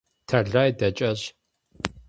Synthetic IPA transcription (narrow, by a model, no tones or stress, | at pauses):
tʰɐɮaːjdɐt͡ʃʼɐʑ